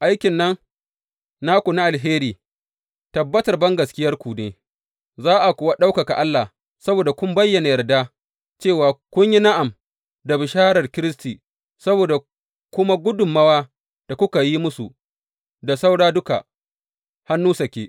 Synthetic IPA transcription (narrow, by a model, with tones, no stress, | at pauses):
ʔa˦jkʲɪ˨nːɐ˦n | naː˦kʷu˨na˦ʔa˨lɦeː˦ɾiː˨ | tɐ˨bːɐ˦tɐ˨rbɐ˦ŋɡɐ˨skʲɪ˦jɐ˦rkʷuː˨neː˨ | zaː˦ʔa˨kʷʊ˨wa˦ɗa˦wka˨ka˨ʔa˦lːa˨ | sɐ˦boː˨da˨kʷʊ˦mbɐ˦jːɐ˨na˨jɐ˨rda˦ | t͡ʃeː˦˨waː˨kʷʊ˦ɲji˦na˦ʔa˨m | da˨bɪ˨ʃaː˦ɾɐ˨rkʲɪ˦ɾɪ˦stiː˨ | sɐ˦boː˨da˨ | kʷʊ˦ma˦ɡʷʊ˦dʊ˨mːɐ˦waː˦ | d̥a˨kʷʊ˦ka˨ji˦mʊ˦su˨ | da˨sa˦wɽaː˦dʊ˦ka̰˨ | ha˦nːuː˦sɐ˨kʲeː˦